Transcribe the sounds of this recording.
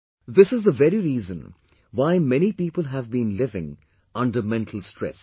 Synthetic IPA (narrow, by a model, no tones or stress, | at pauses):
ðɪsɨzd̪əvɛɾiɾiːzə̃n | waɪmɛnipiːpəlˠɦævbĩːnlɪvɪ̰̃ŋ | ʌ̃nɖəmɛ̃nʈʰəl̩ˠsʈɾɛ̰s